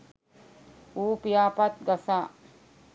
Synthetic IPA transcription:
uːpijaːpat̪ɡasaː

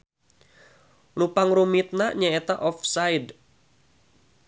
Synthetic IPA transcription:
lupaŋɾumit̪̚naɲaet̪aʔɔfsajd

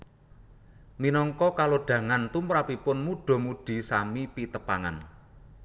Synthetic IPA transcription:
minɔŋkɔkaloɖ̥ä̤ŋant̪umɾapipʊnmuɖ̥ɔ̤muɖ̥i̤samipit̪əpaŋa̰n

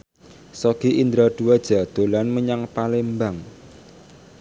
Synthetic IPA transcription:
sɔɡ̥iʔind̪ɾad̪̥uwad̥ʒ̥a̤d̪̥o̤lanməɲaŋpalembaŋ

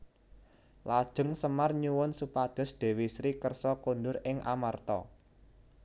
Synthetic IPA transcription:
lad̥ʒ̥ə̤ŋsəmarɲuwʊnsupad̪̥ɔ̤sd̪̥e̤wisɾikərsɔkundʊɾɪŋʔa̰mart̪ɔ̰

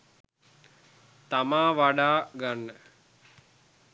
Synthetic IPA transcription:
t̪amaːʋaɖaːɡanːə

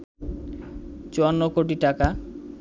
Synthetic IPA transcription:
t͡ɕoanːokoʈ̬iʈaka

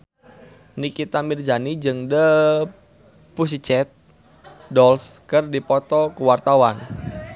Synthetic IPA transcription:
nikit̪amird͡ʒanid͡ʒɨŋdə | pus̬it͡ʃɛt̪̚ | dɔlskɨrdipɔt̪ɔkuwart̪awan

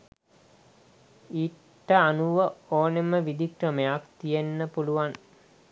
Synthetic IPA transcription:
iː | ʈːəanuʋəoːneməʋid̪ikɾəməjakt̪ijenːəpuluʋan

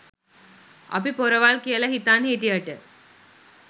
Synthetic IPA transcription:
ɐ̰pipoɾɐʋaːlkijɐlɐɦit̪ːaːnet̪̬iɐʈːɯ

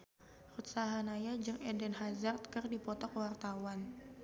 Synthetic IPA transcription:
rut̪saɦanajad͡ʒɨŋɛdɛnɦazart̪̚kɨrdipɔt̪ɔkwart̪awan

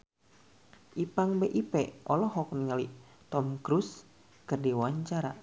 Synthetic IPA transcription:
ʔipaŋbeʔipɛʔɔlɔɦɔk̚niŋali | t̪ɔmkɾus | kɨrdiwaɲt͡ʃaɾa

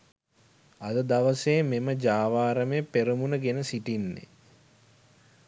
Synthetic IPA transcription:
ɐd̪əd̪aʋəseːmeməd͡ʒaːʋaːɾəmepeɾəmunəɡenəsiʈinːḛ

